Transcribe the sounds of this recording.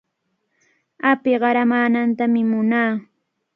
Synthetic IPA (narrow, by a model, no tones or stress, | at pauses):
apɪɢɑɾamaːnant̪amɪmʊnaː